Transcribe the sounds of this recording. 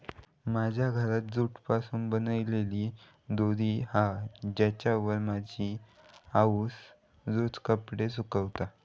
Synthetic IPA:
mad͡ʑʱjaɡʱəɾat̪̚d͡zuʈpasuːnbənəʋleliː | d̪od̪ʱiːhad͡ʑat͡ɕaʋəɾmad͡ʑʱiː | aus | d͡zut͡skəpɽes̬ukəʋt̪a

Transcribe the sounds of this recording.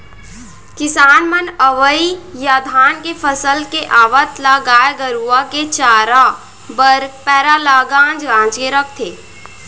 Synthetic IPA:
kɪsaːnmənəʋəijad̪ʱaːnkepʰəsəlkeʔaːʋət̪laɡaːeɡəɾuaket͡ʃaːɾa | bəɾpɛːɾalaːɡãːnd͡ʒɡãːd͡ʒkeɾək̚ʰt̪ʰeː

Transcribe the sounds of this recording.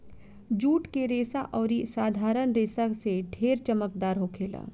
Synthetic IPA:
d͡ʒuːʈkeɾeːsaʔɔːɾisaːd̪ʱaːɾənɾeːsaseɖʱeːɾt͡ʃəməkd̪aːɾɦoːkʰeːla̰ː

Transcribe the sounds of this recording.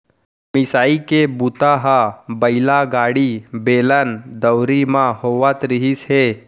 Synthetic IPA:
mɪsaːikebut̪aɦabɐɪlaɡaːɽibeːlənd̪əwɾimãhoʋat̪ɾɪɦisɦe

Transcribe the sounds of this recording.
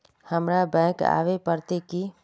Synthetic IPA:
həmɾabɛ̃ːka̰ːʋepəɾt̪eki

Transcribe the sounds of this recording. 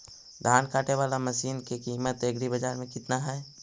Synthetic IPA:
d̪ʱaːnkaːʈeʋaːlaməsiːnkekiːmət̪eɡɽibəd͡ʒaːɾmẽkɪt̪naɦɛ

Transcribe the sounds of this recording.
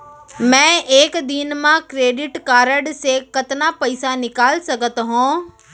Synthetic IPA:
mɛ̃ːeːkd̪inmãkɾeːɖɪʈkaːɾəɽsekɐt̪napɐɪsanɪkaːlsɐɡət̪ɦõː

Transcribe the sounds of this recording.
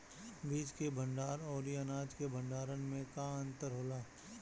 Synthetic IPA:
biːd͡ʒkebʱə̃ɳɖaːɾɔːɾiənaːd͡ʒkebʱə̃ɳɖaːɾənmẽkaə̃nt̪əɾɦoːlaː

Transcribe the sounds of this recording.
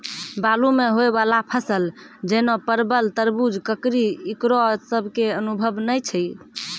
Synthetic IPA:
balumeɦoebalapʰəsəld͡ʒənopəɾbəlt̪əɾbud͡ʒkəkɾiikɾosəbʱkeənubʱəbnəjt͡ʃʰəj

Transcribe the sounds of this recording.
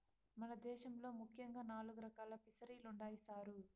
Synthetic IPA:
mɐnɐd̪ɛːʃɐmlo̞ːmukʰːjɐŋɡaːnaːluɡuɾɐkaːlɐpisɐɾiːluɳɖaːjisaːɾu

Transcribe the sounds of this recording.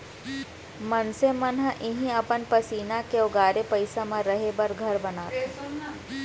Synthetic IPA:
mɐnsemɐnɦəʔɪɦĩɐpənpəsiːnakeoɡaːɾepɐɪsamãɾɐɦebɐɾɡʱɐɾbɐnaːt̪e

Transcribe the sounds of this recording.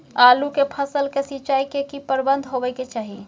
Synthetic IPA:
aːlukepʰəsəlkesit͡ʃaikekipəɾbənd̪ʱɦobəɪket͡ʃaːɦi

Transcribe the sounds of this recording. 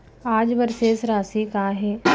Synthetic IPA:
aːd͡ʒʋəɾsesɾaːsikaːɦɛː

